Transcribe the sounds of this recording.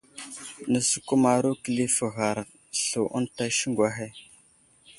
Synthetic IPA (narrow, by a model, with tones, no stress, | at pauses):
nə˨su̥˨ku˦ma˨ɾu˦kə˨li˦fə˨ɣa˨ɾ | ɬu˨ʔṵ˦nta˦ʃi˦ŋɡʷa˦ɦe˦